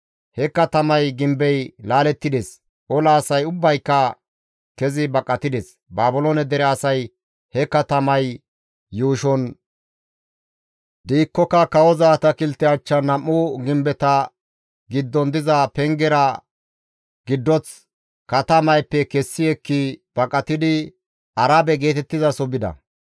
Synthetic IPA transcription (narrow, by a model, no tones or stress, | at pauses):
hɛkːɐt̪ɐmɐjɡɪmbɛjlaːlɛt̪ːɪd̪es | ʔɔlaːsɐjʊbːɐjkːɐ | kɛzɪbɐkʼːɐt̪ɪd̪ɛs | baːbʊlɔnɛd̪ɛɾɛɐsɐj | hɛkːɐt̪ɐmɐj | juːʃɔn | d̪iːkːɔkːɐkɐwɔzaːt̪ɐkɪlt̪ːɛat͡ʃːɐnɐmːʊɡɪmbɛt̪ɐ | ɡɪd̪ːɔnd̪ɪzɐpɛŋɡɛɾɐ | ɡ̥ɪd̪ːɔt͡s | kɐt̪ɐmɐjpːɛkɛsːɪɛkːɪb̥ɐkʼːɐt̪ɪd̪ɪ | ɐɾaːbɛɡe̞ːt̪ɛt̪ːɪzɐsɔbɪd̪ɐ̰